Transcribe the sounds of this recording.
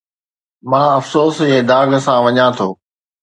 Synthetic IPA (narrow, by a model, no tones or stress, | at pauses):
mãːɐfsoːsɦeːd̪aːɡsãʋɐɲãt̪ʰoː